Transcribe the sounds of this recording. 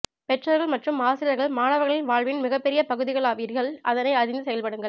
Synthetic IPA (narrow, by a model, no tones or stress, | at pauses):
pɛʈrɐɾɣɐɭmɐʈrɯmaːsɪɾɐɾɣɐɭmaːnɐʋɐɾɣɐɭɪlʋaːɻʋɪnmɪɣɐpːɛɾɪjɐpɐɣɯðɪɣɐɭaːʋiɾɣɐɭʔɐðɐnɐɪɐɾɪnd̪ɯsɛjɐlpɐɽɯŋɡɐɭ